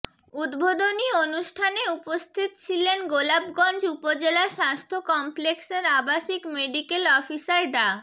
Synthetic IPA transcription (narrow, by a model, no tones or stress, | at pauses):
ud̪bod̪onionuʃʈʰaneupost̪ʰit̪t͡ɕʰilenɡolabɡɔnd͡ʑupod͡ʑelaʃast̪ʰokɔmplekseɾabaʃikmeɖikelɔfisaɾɖa